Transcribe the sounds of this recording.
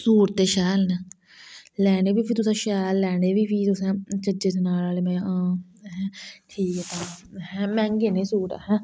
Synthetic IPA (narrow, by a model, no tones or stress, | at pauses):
suːʈ̚t̪eːʃɛːlnɛː | lɛːɽeːbiːpʰiːt̪ʊsãːʃɛːlːɛːɳeːʋiːpʰiːt̪ʊsɛ̃ːt͡ʃəd͡ʒeːd̪eːnaːlaːleːmẽːaãːɦɛ̃ʈʰiːkɛt̪ãːɦɛ̃ːmɛ̃ːŋɡeːneːsuːʈːɦɛ̃ː